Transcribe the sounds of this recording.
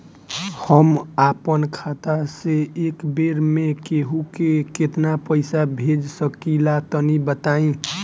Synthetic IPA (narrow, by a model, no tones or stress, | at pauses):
həmapənkʰat̪aseekbeɾmekeɦukeket̪napəɪsabʱed͡ʒsəkilat̪ɔnibət̪aːĩ